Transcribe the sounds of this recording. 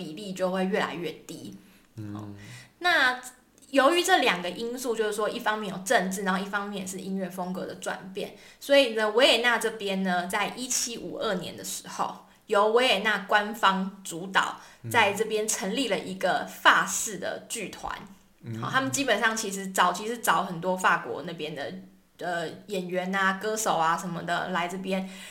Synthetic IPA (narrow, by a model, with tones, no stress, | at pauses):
pi˨˩li˥˧t͡ɕjo˥˧ʊxwe˥˧ɪɥɛ˥˩la̰˧˥ɪɥɛ˥˩t̪i˦˥ | ɔ̰˥˩na˥˩ | jo˧˥ʊy˧˦ʈ͡ʂɤ˥˩ljɑ˨˩ŋɡə˨ʔi˥nsu˥˧t͡ɕjo˥˧ʊʂɻ̩˥˩wɔ˥ʔi˥˩fɑ˥ŋmjɛ˥˨njo˨˩ʊʈ͡ʂə˥˧ŋʈ͡ʂɻ̩˥˩na˨˦ho˥˧i˥˩fɑ˥ŋmjɛ˥˩njʂ̬ɻ̩˥˧ʔi˦˥nɥɛ˥˩fo˥ŋkɤ˧˥d̪ə˨ʈ͡ʂwa̰˨˩npjɛ̰˥˩nswɔ˧˥i˨˩nə˦wɔ˧˥jɛ˨˩na˥˧ʈ͡ʂɤ˥˩pjɛ˥nnə˧t͡sa˥˩ɪʔi˦t͡ɕʰi˥ʔṵ˨˩ʔə˥˩njɛ̰˧˦nd̪ə˨ʂɻ̩˧˥˦xo̰˥˩ʊ | jo˧˥ʊwɔ˧˥je˨˩na˥˧kwa˦nfɑ˥ŋt͡su˧˥t̪ɑ̰˨˩˦ʊt͡sa˥˧ɪʈ͡ʂɤ˥˩pjɛ˥nʈ͡ʂʰə˧˥ŋli˥˩lə˨ʔi˧˥ɡə˧fa˥˧sɹ̩˥˩d̪ə̰˩t͡ɕy˥˩t̪ʰwa̰˧˦n | xɑ̰˨˧˩t̪ʰa˥mə˨nt͡ɕi˥pə˨˩nʂɑ˥˩ŋt͡ɕʰi˧˥ʂ̬ɻ̩˧˦t͡sɑ˨˩ʊt͡ɕʰi˧˥ʂɻ̩˥˧˩t͡sɑ˧˥ʊxə˨˩nt̪wɔ˥fa˥˩kwɔ̰˧˥na˥˧˩pjɛ˥nd̪ə̰˨˩ | ə˧jɛ˨˩nɥɛ˧˥na˧kɤ˥ʂo˨˩ʊa˧ʂə˧˦nmə̰˧d̪ə̰˨la˧˥ɪʈ͡ʂɤ˥˩p̬jɛ˦n